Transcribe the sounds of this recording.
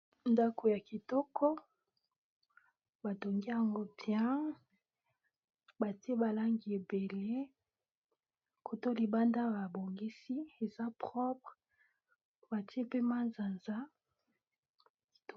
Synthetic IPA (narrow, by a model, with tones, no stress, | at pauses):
nda˦ko˨ja˨ki˨tɔ˦kʰɔ˦ | ba˨to˨ŋɡi˦ja˨ŋɡo˦tjã˦ | ba˨ti˦e˦ba˨la˦ŋɡi˨e˨be˨le˦ | ko˨to˦li˨ba˦nda˦ba˨bo˨ŋɡi˦si˦e˨za˦pχɔ˦pʁ | ba˨ti˦e˦pe˦ma˦nza˨nza˦